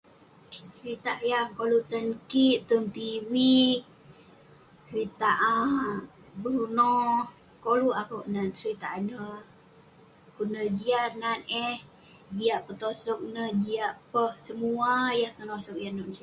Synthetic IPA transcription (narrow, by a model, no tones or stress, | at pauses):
sɾit̪aʔjaŋkolut̪ənkiʔt̪əmt̪iwik̚ | ɾit̪aʔa | bəɾunɔh | koluakoʔnansɾit̪aʔnə | kunəd͡ʒiat̪̚nanɛh | d͡ʒiaʔpət̪osɔk̚nəhd͡ʒiaʔpəhsəmuajaht̪ənosɔk̚janɔʔnsi